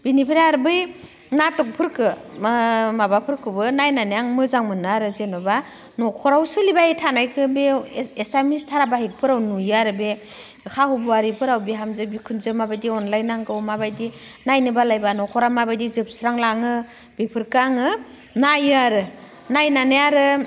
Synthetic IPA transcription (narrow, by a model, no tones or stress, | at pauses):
b̥inipʰiɾeaɾbɯj | natɔk̚pʰɯɾkʰɯ | mabapʰɯɾkʰɯbɯnajnanijaŋmɯzaŋmɯnaɾɯzenɔba | nɔkʰɔɾawsɯlibajitʰanajkʰɯbeːsamistʰaɾabahik̚pʰɯɾawnujaɾɯbe | kʰahubuaɾipʰɯɾawbiɦamzɯbikʰunzɯmabajdiɔnlajnaŋɡɯwmabajdinajnɯbalajbanɔkʰɔɾamabajdizɯp̚sɾaŋlaŋɯ | bipʰɯɾkaŋɯ | najɯaɾɯ | najnanɯjaɾɯ